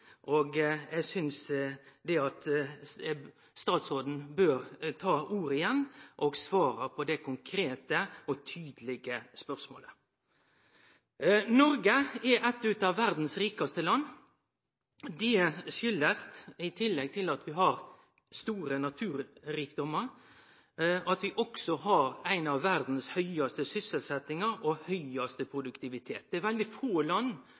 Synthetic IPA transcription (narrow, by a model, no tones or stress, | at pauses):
ʔoɡjæsʏnsd̪ɛɑt̪ | st̪ɑːt̪soːd̪n̩bøːɾt̪ʰɑːuːɾəɪjɛnːʔɔɡsʋɑːɾəpʰɔd̪ɛkʰʊŋkʰɾeːt̪əɔt̪ʰyːd̪lɪɡəspœɾsmo̰ːlə | nɔɾɡəɛʔɛt̪ːʉt̪ɑʋːæɾd̪n̩sɾiːkɑst̪əlɑnː | d̪ɛʃʏlːəst̪ɪt̪ʰɪlːɛɡ̚t̪ʰɪlɑt̪ʋɪɦɑɾ | st̪uːɾənɑt̪ʰʉːɾɾiːkd̪ɔməɾ | ʔɑt̪ʋɪʔɔksɔhɑɾæɪnɑʋːæɾd̪n̩shœʏɑst̪əsʏsəlsɛt̪ɪŋɑɾɔhœʏɑst̪əpʰɾʊd̪ʉkt̪ɪʋɪt̪ʰeːt̪̚d̪̥ɛæɾʋɛld̪ɪfoːlɑnː